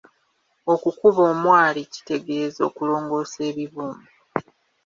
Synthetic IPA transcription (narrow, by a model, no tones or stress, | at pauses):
o̞kukuβoːmwaːlici̥te̞ɡe̞zo̞̰ːkulo̞ːŋɡo̞ːse̞ːβiβuːmbu